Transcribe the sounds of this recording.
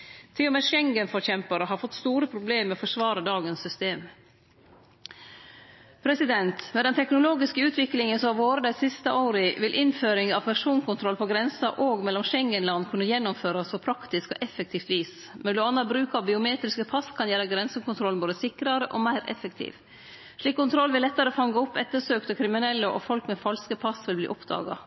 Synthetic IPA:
t̪ʰɪlːɔmeːʂɛŋɡənfɔɾçɛmpɑɾəɦɑɾfɔt̪ːst̪uːɾəpʰɾʊbleːmːɛɔfɔʂʋɑːɾəd̪ɑːɡənsːʏst̪eːm | pʰɾɛsɪd̪ɛnt̪mɛd̪ɛnt̪ʰɛknʊloːɡɪskəʉːt̪ʋɪklɪŋənsɔʋoːɾəd̪æɪsɪst̪əʔaʊɾɪʋɪlʔɪnføːɾɪŋɑʋpʰæʂuːnkʰʊnt̪ʰɾɔlpʰɔɡɾɛnsɑɾʔoːɡmɛlːɔmʃɛŋːənlɑnːkʰʉnəjɛnːʊmføːɾɑspʰɔpʰɾɑkt̪ɪskɔʔɛfɛk̚t̪ʰiːft̪ʋiːs | mɛnlʊɑnːɑbɾʉːkɑbɪʊmeːt̪ɾɪskəpʰɑskʰɑnjæːɾəɡɾɛnsəkʰʊnt̪ʰɾɔlnboːd̪əsɪkɾɑɾəʔɔmæɪɾʔɛ̰fəkt̪ʰḭːʋ | ʂɭiːkːʊnt̪ɾɔlʋɪlɛt̪ːɑɾəfɑŋɡəɔpːɛt̪ːəʂøːkt̪əkʰɾɪmɪnɛlːəʔɔ̰fɔlkmɛfɑlskəpʰɑsʋɪlblḭːʔɔpd̪ɑ̰ːɡɑ̰

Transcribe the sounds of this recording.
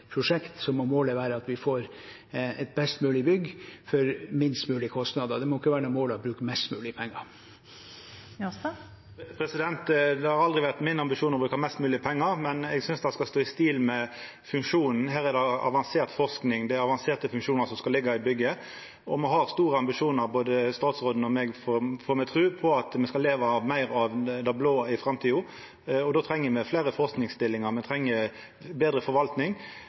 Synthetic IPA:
pʰɾʊʂɛkt̪sɔmɔmoːləʋæːɾəɑt̪ʋɪfoːɾ | ɛt̪̚bɛst̪mʉːlɪbʏɡːfɔɾmɪnst̪mʉːlɪəkʰɔst̪nɑːd̪əd̪ɛmɔːɪkːəʋæːɾənʊmoːlɔbɾʉːkəmɛst̪mʉːlɪəpʰɛŋːɑ | pʰɾɛsɪd̪ɛnt̪d̪ɛhɑɾɑld̪ʁɪʋæʁt̪mɪnːɑmbɪʂuːnɔbɾʉːkhɑmɛst̪mʉːlɪəpʰɛŋːəɾmɛnɛɡsʏnsd̪ɛskɑst̪oːɪst̪iːlmɛ | fʉŋʂuːnn̩ɦæːɾɛd̪ɛɑ̰ʋɑnseːʁt̪fɔʁsknɪŋd̪ɛɾɑʋɑnseːʁt̪əfʉŋʂuːnəɾsɔmskɑlɪɡːɑɪbʏɡːə | ɔmɛɦɑʁst̪uːɾəɑmbɪʂuːnəɾboːd̪əst̪ɑːt̪sʁoːd̪n̩ɔmɛɡfɔfɔːɾmɛt̪ʰɾʉːpʰɔɑt̪mɛskɑleːʋɑʋmæɪɾɑʋd̪ɑbloːɪfɾɑmt̪ʰiːʊ | ɔd̪oːt̪ʰɾɛŋːəmɛflæɪɾəfɔɾsknɪŋst̪ɪlːɪŋɑmɛt̪ʰɾɛŋːə | beːd̪ɾəfɔɾʋɑlt̪nɪŋ

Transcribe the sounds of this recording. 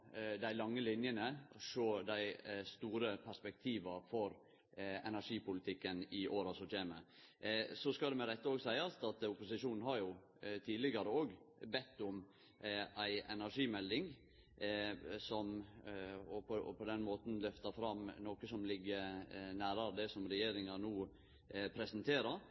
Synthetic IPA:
d̪æɪlɑŋːəlɪnjənəʂoːd̪æɪst̪uːɾəpʰæspɛk̚t̪ʰiːʋɑfɔɾ | ɛnæʂiːpʊlɪt̪ʰɪkːənɪʔoːɾɑsɔc͡çeːmə | sɔskɑld̪ɛmɛd̪ɛt̪ːəoːɡsæɪɑst̪ɑt̪ʊpʊsɪʂuːnn̩hɑɾjʊ | t̪ʰiːd̪lɪɡɑɾəoːɡbɛt̪ːʊm | æɪɛnæɾʂiːmɛld̪ɪŋ | sɔm | ɔpʰɔpʰɔd̪ɛnmoːt̪n̩lœft̪əɾfɾɑmnoːkəsɔmlɪɡːəɾnæːɾɑɾd̪ɛsɔmɾɛjeːɾɪŋɑnuː | pʰɾɛsnt̪ʰeːɾəɾ

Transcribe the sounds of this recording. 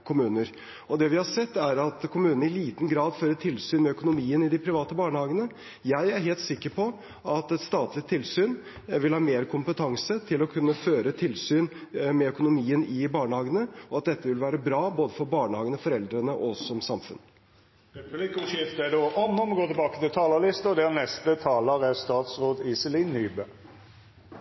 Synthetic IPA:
kʰʊmʉːnəɾ | ɔd̪ɛʋɪhɑʂɛt̪ːæɾɑt̪kʰʊmʉːnnəɪliːt̪nɡɾɑːd̪føːɾət̪ʰɪlsyːnmɛœkʊnʊmiːənɪd̪ɪpʰɾɪʋɑːt̪əbɑːɳəhɑːɡənə | jæɪæɾɦeːlt̪sɪkːəɾpʰɔ | ɑt̪ɛt̪st̪ɑːt̪lɪt̪ʰɪlsyːn | ʋɪlhɑːmeːɾkʰʊmpət̪ʰɑŋsət̪ʰɪlɔkʰʉnːəføːɾət̪ʰɪlsyːnmɛœkʊnʊmiːənɪbɑːɳəhɑːɡənəɔɑt̪̚d̪ɛt̪ːəʋɪlʋæːɾəbɾɑːboːd̪əfɔɾbɑːɳəhɑːɡənəfɔɾɛld̪ɾənəʔɔsɔmsɑmfʉ̰n | ɾɛpʉlɪkʊʃɪft̪æd̪oːʔɔmːɔmɡoːt̪ʰɪlbɑːkə̥t̪ɪlt̪ʰɑːləlɪst̪əɔd̪ɛʁnɛst̪ət̪ʰɑːləʁæst̪ɑːt̪sʁoːd̪ɪsɪlɪnːyːbə

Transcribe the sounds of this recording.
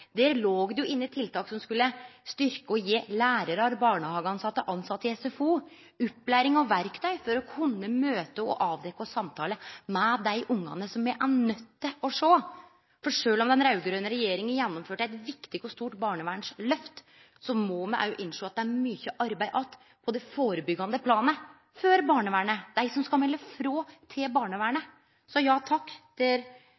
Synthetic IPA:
d̪eːɾloːɡd̪ɛjʊɪnːɪt̪ʰɪlt̪ʰɑːksɔmskʉlːəst̪ʏɾkəɔjiːlæːɾəɾɑɾbɑːɳəhɑːɡɑnsɑt̪ːəʔɑnsɑt̪ːɪɛsɛfuː | ʉpːlæːɾɪŋɑʋʋæɾkt̪ʰœʏfɔɾɔkʰʊnːəmøːt̪əɔ̰ʔɑːʋd̪ɛkːɔsɑmt̪ʰɑːləmɛd̪æɪʔʊŋːɑ̰nəsɔmɛʔænœt̪ːəɔʂoː | fɔʂøːlɔmd̪ɛnɾɑʉɡɾøːnəɾɛjeːɾɪŋənjɛnːɔmføːʈəæɪt̪ʋɪkt̪ɪkɔst̪uːʈbɑːɳəʋæːɳʂlœft̪ | sɔmɔmɛʔæ̰jʔɪnːʂoːɑt̪̚d̪ɛæɾmyːçəʔɑɾbæɪʔɑt̪ | pʰɔd̪ɛfoːɾəbʏɡːɑnd̪əpʰlɑːnə | føɾbɑːɳəʋæːɳəd̪̥æɪsɔmskɑlmɛlːəfɾoːt̪ʰɪlbɑːɳəʋæːɳə | sɔjɑːt̪ʰɑkːd̪̥ɛɾ

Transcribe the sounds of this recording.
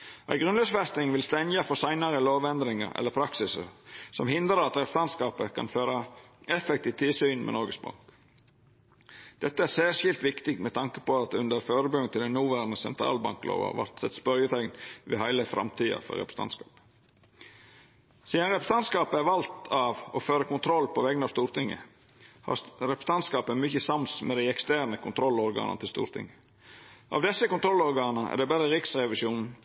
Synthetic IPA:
ʔæ̰ɪɡɾʉnløsfɛst̪ɪŋʋɪlst̪ɛnjəfɔsæɪnɑɾəloːʋɛnd̪ɾɪŋə̰ɾɛ̰lːəɾpʰɾɑksɪsə̰sɔmhɪnd̪ɾəɾɑt̪ɾɛpɾəst̪ɑnskɑːpəkʰɑ̰nføːɾɑɛfɛkt̪iːʋt̪ʰɪlsyːnmʔɛ̰nɔɾɡəsbɑ̰ŋk | d̪̥ɛt̪ːəæsæːɾʂjɪlt̪ʋɪkt̪ɪɡ̚t̪mɛt̪ʰɑŋkəpɔɑt̪̚ʉnd̪əɾføːɾəbʉŋt̪ʰɪld̪ɛnuːʋæɾnəsɛnt̪ʰɾɑ̰ːlbɑ̰ŋklo̰ːʋɑ̰ʋɑ̰ɾt̪sɛt̪spœɾjət̪ʰænʋɛ̰hæɪləfɾʔɑ̰mt̪ʰiːɑ̰fɔ̰ɾɛ̰pɾ̥əst̪ʰɑ̰nskɑːp | siːd̪ɑnɾɛpɾəst̪ɑnt̪skɑːpəæɾʋɑlt̪ʰɑʋoføːɾəkʊnt̪ʰɾɔlːpɔʋɛɡnɑʋst̪uːɾt̪ɪŋːə̰ | hɑ̰ɾɛpɾəst̪ɑnt̪skɑːpəmʏçəsɑmsmʔɛd̪æɪɛkst̪æɾnəkʰʊnt̪ʰɾɔlɔɾɡɑ̰ːnɑ̰t̪ɪlst̪ṵːɾt̪ʰɪ̰ŋːə | ʔɑ̰ʋd̪ɛsːəkʊnt̪ʰɾɔlɔɾɡɑːnəʔæ̰ɖ̪ɛbɛɾəɾɪksɾɛʋɪʃuːnn̩

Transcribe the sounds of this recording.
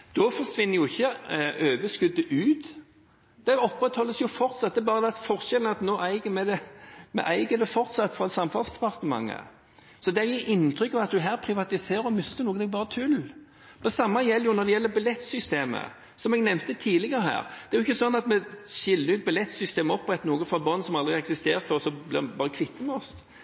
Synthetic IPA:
d̪̥ɔfɔsʋɪnːəɾjʊɪçːəʔøːʋəʂkʉd̪ːəʔʉːt̪ | d̪̥ɛɔpːɾɛt̪hɔlːəsjʊfɔɾt̪sɑt̪̚d̪ɛɾbɑːʁəd̪ɛfɔʁʃɛln̩ɑt̪noːʔæɪɡəmɛd̪ɛmɛ̰ʔæɪɡəd̪ɛfɔɾt̪sɑt̪ːfɾɑɛt̪sɑmfɑlsd̪ɛpɑʁt̪əmɑ̰ŋːə̰ | sɔd̪ɛæɾjɪʔɪnt̪ʰɾʏkːɑʋɑt̪̚d̪ʉɦæːɾpʰɾɪʋɑt̪ɪseːɾɔmʏst̪əʁnuːɡəd̪ɛbɑːʁɾət̪ʰʉl | ɔsɑmːɑjɛlːjʊnɔɾd̪ɛjɛlːəbɑlɛt̪ːsʏst̪eːmə̰ | sɔmɛɡnɛmnt̪ət̪ʰiːlɪɡəɾəhæ̰ːɾd̪̥ɛæɾjʊɪçːəsɔnːɑt̪mɛɕɪlːəɾʉːt̪̚bɑlɛt̪ːsʏst̪eːməɔpːʁɛt̪ːnuːɡəfɾɑbɔnːsɔmɑld̪ʁɪɛksɪst̪ḛːʁt̪fɔʁsɔblɪ̰bɑːʁəkʰʋɪt̪ʰːəmɛɔs

